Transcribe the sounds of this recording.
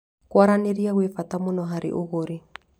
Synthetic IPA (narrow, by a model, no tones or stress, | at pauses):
kwaɾaniɾiaɣwifatamunɔɦaɾḭʔuɣoɾi